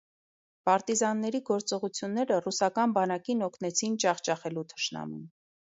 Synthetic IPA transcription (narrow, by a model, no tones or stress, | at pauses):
pɑɾt̪izɑnːɛɾiɡɔɾt͡sɔʁut͡sʰjunːɛɾərusɑkɑnbɑnɑkinɔkʰnɛt͡sʰint͡ʃɑχt͡ʃɑχɛlut̪ʰə̥ʃnɑ̰mṵn